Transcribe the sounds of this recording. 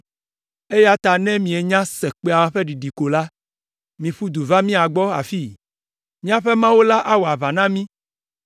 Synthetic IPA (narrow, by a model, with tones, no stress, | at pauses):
e˦ja˦t̪a˨nɛ̃˦mĩ˨e˨ɲã˦sɛ˨k͡pe˦a˨wa˦ɸe˦ɖi˨ɖi˨ko˨la˦ | mĩ˨ɸu˦d̪u˨va˦mĩ˦a˨ɡ͡bɔ˦a̰˨fi˦ | mĩ˦a˨ɸɛ˦mã˦wo˦la˦ʔa˦wo˨a˨va˨nã˦mĩ˦